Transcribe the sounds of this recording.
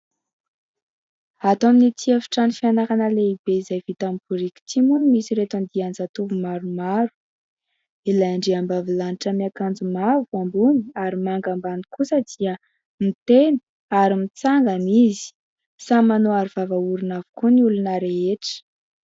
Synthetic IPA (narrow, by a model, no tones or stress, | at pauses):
at̪aminit̪ʰiəfi̥ʈ͡ʂanifianakanəleibeizajvit̪ambuɾikʲi̥t̪imunimisiɾet̪and̪iand͡zat̪uvumaɾumaɾu̥ | ilajaɳɖ͡ʐeambavilaniʈ͡ʂəmiakand͡zumavuambuniaɾimaŋɡambanikusəd̪̥iə | mit̪eni̥ | aɾimit͡saŋɡanizi̥ | samanoaɾuv̥avauɾinavukuniulunəɾeeʈ͡ʂə̥